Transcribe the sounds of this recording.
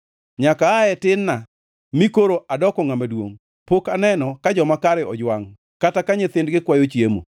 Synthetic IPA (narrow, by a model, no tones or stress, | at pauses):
ɲakaːɛtɪnːa | mikoɾoadɔkɔŋamadwo̰ŋ | pokanɛnɔkad͡ʒɔmakaɾɛɔ̰d͡ʒwaŋ | katakaɲet̪ɪndɡɪkwajot͡ʃjemo̰